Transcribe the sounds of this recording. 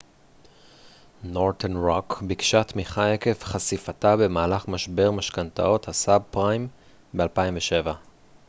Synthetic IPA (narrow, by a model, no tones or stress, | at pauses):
noʁt̪ʰenʁokbikʃatmiχae̞ke̞fχasifatabe̞maːlaχmaʃbe̞ʁmaʃkanta̰o̞t̪hasab̚pʁajm | bealpaimveʃe̞va